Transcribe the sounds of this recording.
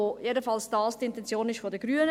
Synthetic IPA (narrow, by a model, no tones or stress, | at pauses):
ojedəfɑlsd̥ɑːlstiɪntɛnt͡sjoːnɪʃfodəɡ̥ɾyːənə